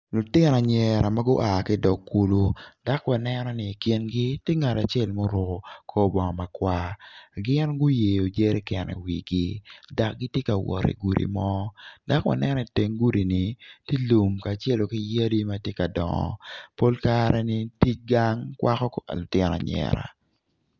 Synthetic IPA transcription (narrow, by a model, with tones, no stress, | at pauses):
lʊ˨tɪ˦n˨a˨ɲɛ˨ɾa˨ma˦ɡʊ˦ʔa˨kɪ˦dɔ˨kːu˨lu˦d̥a˦kwa˨nɛ˦nɔ˦nɪ˨kɪ˦nɡi˦tɪ˦ŋa˨ta˨t͡ʃɛ˦˨lmo˦ɾʊ˨ko˨kʰo˦bɔ˨ŋɔ˨ma˨kwa˦ɡɪ˦nɡʊ˦je˨jo˨d͡ʒe˦ɾɛ˦kɛ˨nɛ̰˨wi˨ɡi˦da˨k̚ɡi˦tje˦ka˨wɔ̰˨ɾḛ˨ɡu˨ɾḭ˨mɔ˦da˦kwa̰˨nɛ˦nɔ˨te˨ŋɡu˦ɾi˨ni˨ti˦lu˨mka˨t͡ʃɛ˦lo˨kɪ˦ja˦di˦ma˦tje˦ka˨dɔ̰˨ŋɔ̰˨po˦lka˦ɾɛ˦nɪ˦ti˦t͡ʃ̚ɡa˦ŋkwʔa˦kɔ˦klʊ˨tɪ˦nɔ̰˨ɲɛ̰˨ɾa̰˨